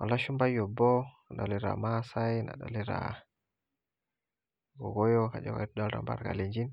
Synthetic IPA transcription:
walːaʃumbajɔbɔ | aɗaliɾa̰masajna̰ɗa̰liɾa̰ | ɡɔɡɔjɔkad͡ʒɔɡa̰jtɗalɾa̰mba̰ɾkaleɲd͡ʒin

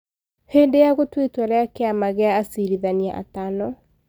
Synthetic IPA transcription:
heːndejaɣotwetwaɾɛakeamaɣeaːsiɾiðaniaʔa̰tanɔ

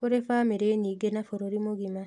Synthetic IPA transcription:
oɾefaːmeɾeniːɡenafoɾoɾimoɣima

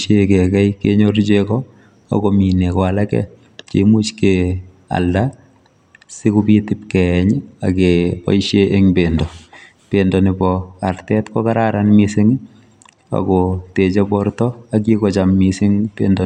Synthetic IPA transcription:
ʃekɛkɛjkeɲoɾt͡ʃekɔ | a̰kominekɔalakɛ̰ | t͡ʃḛmut͡ʃke | a̰lda | sɪkupitɪp̚kɛɲa̰kepɔ̰iʃeʔeŋbendɔ | pendɔnɪbɔartɛtkɔkaɾaɾanmisɪŋ | a̰kɔtet͡ʃebɔɾtɔak̬ikɔt͡ʃamːisɪŋpḛndɔ

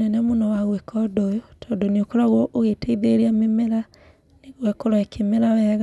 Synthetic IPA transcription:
ɛnɛmonɔwaɣwekʰɔdojotʰɔːndoneokoɾaɣɔʔoɣetaiðeɾiamemeɾa | neɣwɛkoɾaekʰemeɾawɛɣa

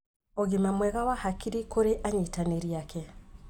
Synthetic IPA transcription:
ɔɣimamwɛɣawahakiɾikoɾeʔaɲitaneɾiakɛ

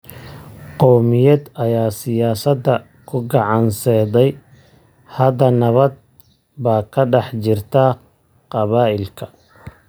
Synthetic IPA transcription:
qɔːmɪjɐd̪ɐjaːsɪjaːsɐd̪ːɐ | kʰʊɡɑʕɑnsɛd̪ɛj | hɐd̪ɐnɐβɐd̪̚ | baːkʰɐɖɑħt͡ʃɪrt̪ʰɐ | qɑβaːʔɪlkʰɐ̥

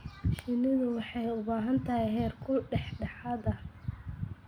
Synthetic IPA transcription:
ʃɪnɪðʊwɑħɑjʊbaːɦɐnt̪ʰɐɦɛjɦɛːrkʰʊɖɛħɖɐħaːd̪ɐ

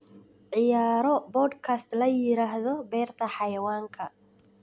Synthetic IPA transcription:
ʕɪjaːɾɔbɔd̪kʰɐst̪lɐjɪɾaːɦðɔbɛːrt̪ʰɐħɑjɐwaːŋkʰɐ

